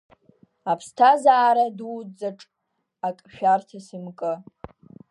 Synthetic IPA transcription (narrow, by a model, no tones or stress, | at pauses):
apʰstʰazaːɾaduwd͡zaʈ͡ʂʼ | akʼʃᶣartʰasimkʼɨ